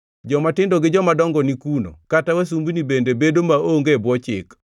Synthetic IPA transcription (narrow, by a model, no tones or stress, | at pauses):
d͡ʒɔmatɪndɔɡɪd͡ʒɔmadɔŋɡɔnikuno̰katawas̬umbinibendebedomaoŋɡebwɔt͡ʃɪk